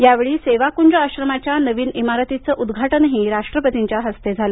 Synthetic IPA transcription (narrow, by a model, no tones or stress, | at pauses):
jaʋeɭiːseʋakuɲd͡ʑoaɕɾəmat͡ɕjanəʋiːnimaɾət̪it͡səːʔud̪ɡʱaʈənɦiːɾaʂʈɾəpət̪iɲt͡ɕjaɦəst̪ed͡zʱalə